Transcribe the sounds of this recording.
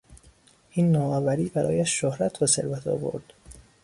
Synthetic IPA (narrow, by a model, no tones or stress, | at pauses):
ʔiːnːɒːɒːvæɾiːbæɾɒ̰ːjæʃːohɾæt̪ʰbæse̞̰ɾvæt̪ʰɒ̰ːvo̰ɾd̪̥